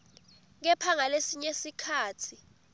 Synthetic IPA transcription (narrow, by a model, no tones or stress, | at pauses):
ŋ̬ɛpʰaŋalesiɲesikʰaːtʰi